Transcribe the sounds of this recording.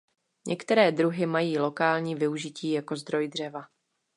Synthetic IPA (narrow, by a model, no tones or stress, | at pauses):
ɲʔɛkt̪ɛɾɛːd̪ɾuɦɪmajiːlo̞kaːlɲiːvɪuʒɪciːjako̞zd̪ɾo̞jd̪r̝ɛva